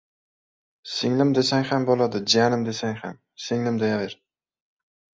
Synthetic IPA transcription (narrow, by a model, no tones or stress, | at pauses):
sɪŋlɪmd̪esaŋʲhambolˠad̪ɪd͡ʒanɪmd̪e̞saŋham | sɪŋlɪmd̪ajavɪɾ